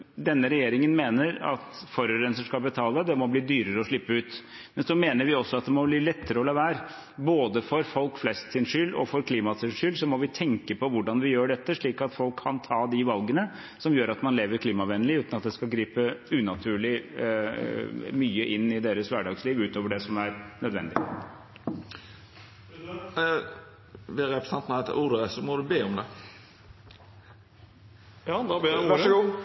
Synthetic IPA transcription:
d̪ɛnːəɾɛjeːɾɪŋənmeːnəɾɑ̰t̪fɔɾəɾənsəʂkɑlbət̪ʰɑːləd̪ɛmɔbliːd̪yːɾəɾəɔʂɭɪpːəʉːt̪ | mɛnsɔmeːnəɾʋɪɔsːɔɑt̪̚d̪ɛmɔbliːlɛt̪ːəɾəɔlɑːʋæːɾ | boːd̪əfɔɾfɔlkflɛst̪sɪnʂʏlːɔ̰fɔɾkʰliːmɑsɪnʂʏlsɔmɔʋɪt̪ʰɛŋkəpʰɔʋʊɖɑnʋɪjøːɖɛt̪ːəʂɭiːkɑt̪fɔlkʰːɑnt̪ʰɑːd̪ɪʋɑlɡənə | sɔmjøːɾɑt̪mɑnleːʋəɾkʰliːmɑʋɛnːəlɪʉːt̪nɑt̪̚d̪ɛskɑɡɾiːpəʉːnɑt̪ʰʉːɭɪ | myːəʔɪnːɪd̪eːɾəsʋæɖɑːɡsliːʋʉːt̪oːʋəɖɛsɔmæɾnœd̪ʋɛ̰nd̪ɪ | ʋɪɾɛpɾsɛnt̪nɛt̪ːʔuːʁd̪əsɔmɔd̪ʉbeːɔmd̪ɛ

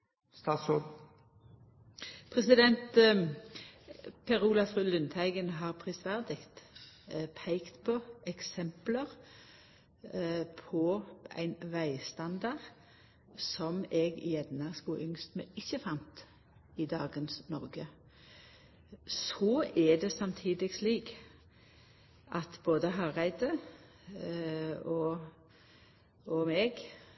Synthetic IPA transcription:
st̪ɑːsɔ | pʰʁɛsɪd̪ɛnt̪ | pʰɛʁuːlɑfʁyːlʉnt̪ʰæɪɡənɦɑːʁpʰʁɪsʋæʁd̪ɪkt̪ | pʰæɪkt̪pʰɔɛksɛmpləʁ | pʰɔæ̰ɪnʋæɪst̪ɑnd̪ɑʁ | sɔmɛɡjɛnnːɑskuʔʏŋst̪mɛɪçəfɑnt̪ | ɪd̪ɑːɡənsnɔʁɡə | sɔɛd̪ɛsɑmt̪ʰiːd̪ɪɡsliːɡ | ʔɑt̪boːd̪əɦɑːʁæɪd̪ə | ɔ | ɔmɛːɡ

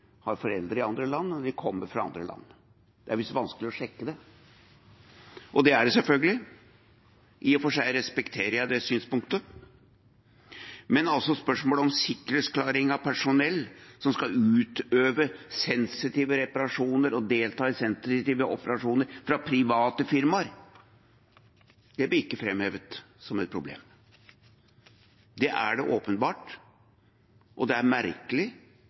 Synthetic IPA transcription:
hɑɾfɔɾɛ̰ld̪ɾəɾɪɑnd̪ɾəlɑnːɔʋ̪ɪkʰɔmːəɾfɾɑɑ̰nd̪ɾə̰lʔɑ̰nː | d̪̥ɛæɾʋɪsʋɑnskəlɪɔʂɛkːəd̪ɛ | ʔɔd̪ɛæɖɛsɛlfœlɡəlɪ | ʔɪfɔʂæɪɾɛspɛkt̪ʰeːɾəjæɪd̪ɛsyːnspʊŋkt̪ə | mɛnɑlsɔspœʂmoːlɔmsɪkːɾət̪sklɑːɾɪŋɑʋpʰæʂʊnɛlːsɔmskɑʉːt̪øːʋəsɛnsɪt̪iːʋəɾɛpɑɾɑʂuːnəɾɔd̪eːlt̪ɑːəsɛnsɪt̪iːʋəʔɔ̰pəɾɑʂuːnəɾfɾɑpʰɾɪʋɑːt̪əfɪɾmɑɾ | d̪̥ɛb̪ɪɪkːəfɾɛmheːʋət̪ | sɔmɛt̪̚pʰɾʊblḛːm | d̪ɛʔæ̰ɖɛʔoːpənbɑːʈ | ʔɔd̪ɛæɾmæɾkəlɪ

